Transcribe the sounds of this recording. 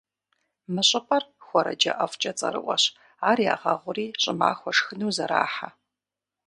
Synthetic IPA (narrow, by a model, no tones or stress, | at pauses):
mɨɕʼɨpʰʼɐrxʷɔɾɐ̰d͡ʒɐ̰ʔɐft͡ʃʼɐt͡sʼɐ̰ɾɨ̰ʔʷɔɕ | aːrja̰ːʁɐʁʷʊriːɕʼɪma̰ːxʷɔʂxɨnuːzɐɾa̰ːħa